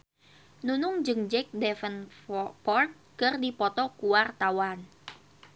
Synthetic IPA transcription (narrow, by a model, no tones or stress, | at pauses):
nunʊŋd͡ʒɨŋd͡ʒɛk̚dɛfənpɔrt̪̚kɨrdipɔt̪ɔkuwart̪awan